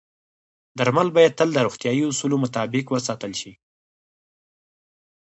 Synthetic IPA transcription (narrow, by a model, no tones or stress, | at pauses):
d̪aɾmalbɑjad̪̚t̪əld̪əɾoxt̪jɑjiʊsulomʊt̪ɑbɪkwəsɑt̪əlʃi